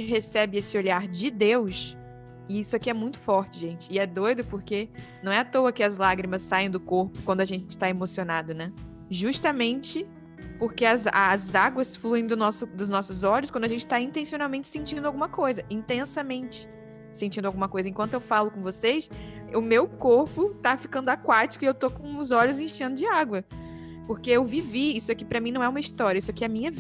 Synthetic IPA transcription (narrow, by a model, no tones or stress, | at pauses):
ɪɦesɛbɪesɪoʎaɾd͡ʒɪd̪ews | ɪisʊakiɛmũj̃t̪ʊ̥fɔɾt͡ʃɪʒẽnt͡ʃɪːɛd̪ojd̪ʊpoɾkenɐ̃w̃ɛat̪oɐkɪɐzlaɡɾimɐsːaẽj̃d̪ʊkoɾpʊ̥kwɐ̃nd̪ʊɐʒẽnt͡ʃɪ̥t̪aemosionad̪ʊnɛ | ʒuʃt̪ɐmẽnt͡ʃɪ | pʊɾkeɐzazaɡwɐsfluẽj̃d̪ʊnɔsʊd̪ʊznɔsʊzɔʎʊskw̃d̪ɐaʒẽnt͡ʃɪ̥t̪aĩnt̪ẽsionawmẽnt͡ʃɪ̥sẽt͡ʃĩnd̪ʊawɡũmɐkojzɐĩnt̪ẽsɐmẽnt͡ʃɪ̥ | sẽnt͡ʃĩnd̪ʊawɡũmɐkojzɐiẽkɐ̃nt̪ʊewfalʊkõvosejsʊmewkoɾpʊt̪afi̥kɐ̃nd̪ʊakwat͡ʃi̥kʊiewt̪okõʊzɔʎʊzĩʃẽnd̪ʊd͡ʒɪaɡwɐ | poɾkeewviviisʊɛkɪpɾɐmĩnɐ̃w̃ɛũmɐist̪ɔɾʲjiɐisʊakɪɛɐmĩɲɐv